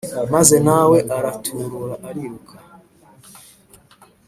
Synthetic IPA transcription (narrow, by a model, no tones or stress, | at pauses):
mazɛnawɛʔaɾatʰuɾuɾaʔaɾiukʰa